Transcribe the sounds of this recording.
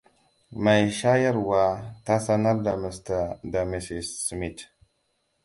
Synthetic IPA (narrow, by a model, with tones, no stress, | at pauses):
ma˨jʃa˦ja˦ɾwa˨ta˦sa˦na˦ɾda˨mə˨sta˨da˨mi˨si˨ssmi˨t